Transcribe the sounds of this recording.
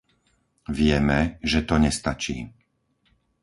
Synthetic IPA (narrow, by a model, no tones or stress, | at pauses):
ʋɪɛmɛʒɛt̪ɔɲɛst̪at͡ʃḭː